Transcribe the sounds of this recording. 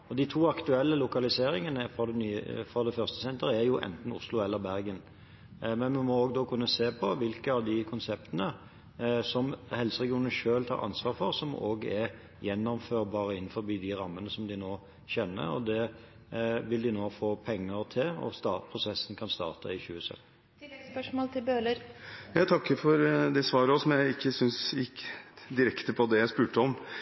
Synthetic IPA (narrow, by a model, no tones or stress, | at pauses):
ɔd̪ɪt̪ʰuːɑkt̪ʉɛlːəlʊkɑlɪseːɾɪŋənəfɔd̪ɛnyːfɾɔd̪ɛfœɾst̪ə̥sɛnt̪əɾəæɾjʊʔɛ̰nt̪n̩ʊ̰slʊɛlːəɾbæɾɡən | mɛnmɛmɔoːɡd̪oːkʰʉnːəseːpʰɔʋɪlkəɑʋd̪ɪkʰʊnsɛp̚t̪ənə | sɔmhɛlsəʁɛɡɪuːnən̩ʂøːlt̪ʰɑ̰ːɾʔɑ̰nsʋɑːɾfɔɾsɔmo̰ːɡɛɾ | jɛnːɔmføːɾbɑːɾəɪnn̩fɔɾbiːd̪ɪɾɑmːənəsɔmd̪ɪnoː | çɛnːə̰ɾɔ̰d̪ɛ | ʋɪld̪ɪnoːfoːpʰɛŋːəɾt̪ʰɪlɔ̰st̪ɑːt̪pʰɾʊsɛsːn̩kʰɑnst̪ɑ̰ːʁt̪ʰəɪçʉːəsœ̰t̪n̩ | spœʂmoːlt̪ʰɪlbøːləɾjɑɪt̪ʰɑkːəfɔɾd̪ɛsʋɑːɾəɔsɔmjæɪɪkːəsʏnsjɪkd̪ɪɾɛkt̪əpʰɔd̪ɛjæɪspʉːʈəɔm